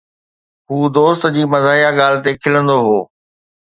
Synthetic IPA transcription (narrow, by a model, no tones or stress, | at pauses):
ɦuːd̪oːst̪d͡ʑiːmɐzaːijaɠaːlɪt̪ekʰɪlə̃nd̪oɦoː